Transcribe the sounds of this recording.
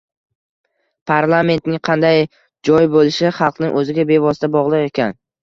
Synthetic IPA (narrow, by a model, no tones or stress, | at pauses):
pʰaɾlˠame̞nt̪nɪŋqʰɑnd̪aj | d͡ʒɒjbolɪʃɪχɑlˠqnɪŋʔɵzɪɡʲabe̞vɒsɪt̪ʰabɒʁlˠɨqe̞kʲʰan